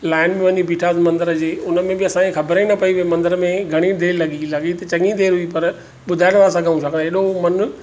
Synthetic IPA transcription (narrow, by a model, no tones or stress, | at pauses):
laːɪnmẽʋɐɲibʱiːʈʰaːzmɐ̃nd̪əɾəd͡ʑeːʊnə̆mẽbɪɐsãːẽxɐbɾanɐpɐiʋemɐ̃nd̪əɾəmẽɡʱɐɽ̃id̪eːlɐɠilɐɡit̪ɐt͡ɕɐŋĩd̪eːɾɦuipɐɾ | ɓʊd̪ʱaːɪɽ̃ʋaːɾs̬ɐ̃ɡʱaːũt͡ʃʰaːkʰə̃aɦeːɗomɐn